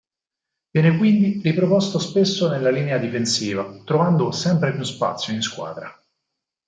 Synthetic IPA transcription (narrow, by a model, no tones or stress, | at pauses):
vjɛːnekwind̪iɾipɾopost̪ospesːonelːaliːnead̪ifensiːvat̪ɾovand̪osɛmpɾepjuspa̰t̪sːjoinskwa̰ːd̪ɾa